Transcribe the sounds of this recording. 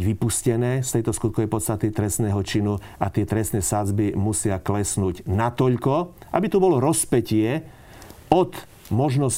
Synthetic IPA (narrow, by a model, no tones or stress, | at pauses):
ʋipuscɛnɛːst̪ɛjt̪ɔskut̪̚kɔʋɛjpɔt̪st̪at̪it̪ɾɛst̪nɛːɦɔt͡ʃinu | at̪ɪɛt̪ɾɛst̪nɛːsad͡zbimusɪaklɛsnuːɟnat̪ɔʎkɔʔa̰bit̪ubɔlɔɾɔspɛcɪɛ | ɔt̪ | mɔʒnɔs